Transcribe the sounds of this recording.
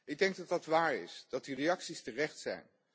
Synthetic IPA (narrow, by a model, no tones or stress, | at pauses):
ɪɡ̚dɛŋɡ̚dɑtdɑtʋaːɹɪ̰sd̥ɑtirejɑksistərɛχtsɛ̰jn